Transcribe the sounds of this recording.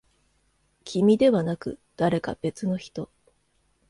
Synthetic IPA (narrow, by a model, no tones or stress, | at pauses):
kʲimʲid̪e̞βanakɯ̟̰d̪̥aɾe̞ka̰b̥e̞t͡sɨno̞çi̥t̪o̞